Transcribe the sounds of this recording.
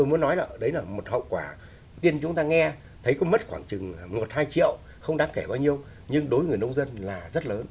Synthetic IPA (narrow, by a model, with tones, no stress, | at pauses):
o˧jmu˨˦ənːɔ˨˦jlaː˨˩ɗə˨˦jlaː˨˩mo˨˩t̚hə̰˧˨wkwaː˧˩ | t̪i˧ənt͡ɕʊ˨˦ŋ͡mt̪aː˧ŋɛ˧ | t̪ʰə˨˦jkɔ˨˦mə˦˥t̚xwaː˧˩ŋt͡ɕɨ˨˩ŋmo˨˩t̚haː˧jt͡ɕḭ˧˨əw | xə˧wŋ͡mɗaː˨˦ŋke˧˩ɓaː˧wɲi˧əw | ɲɨ˧ŋɗo˨˦jŋɨ˨˩əjnə˧wŋ͡mzə˧nlaː˨˩zə˦˥t̚ləː˨˦n